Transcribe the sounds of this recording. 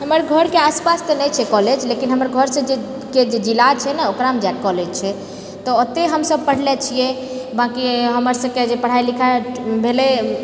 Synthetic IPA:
ɦəməɾɡʱəɾkeaspast̪ɔnɛt͡ʃʰɛkɔled͡ʒlekinɦəməɾɡʱəɾsə̃d͡ʒe | ked͡ʒed͡ʒilat͡ʃʰɛnɛokɾamd͡ʒakɔled͡ʒt͡ʃʰɛ | t̪ɔət̪ːeɦəmsəb̚pəɽ̤lɛt͡ʃʰijɛ | bãkiɦəməɾsəb̚ked͡ʒepəɽ̤ailikʰabʱelɛ

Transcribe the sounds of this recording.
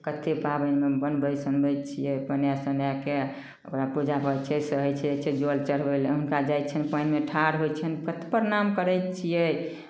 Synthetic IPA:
kət̪ʰepabənmebənbəsənbəjt̪t͡ʃʰijɛpənjasənjake | əkɾapud͡ʒapət͡ʃʰɛsəɦəjt͡ʃʰɛet͡ʃʰɛd͡ʒolt͡ʃəɾ̤bəjləɦunkad͡ʒajt͡ʃʰənpəjnmeʈʰaɾɦojt͡ʃʰənpət̪ʰpəɾnamkəɾəjt̪t͡ʃʰijɛj

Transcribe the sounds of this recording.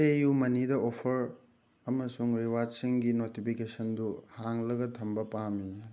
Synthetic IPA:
ejumɐnidɐopʰɐɾ | ɐmɐsuŋɾiwad͡ʒsiŋɡinotipʰikesɐnduhaŋlɐɡɐtʰɐmbɐpami

